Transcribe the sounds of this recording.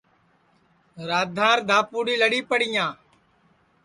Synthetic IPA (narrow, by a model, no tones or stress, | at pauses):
ɾaːd̪ʱãːɾd̪ʱaːpuːɽiːləɽiːpəɽɪjãː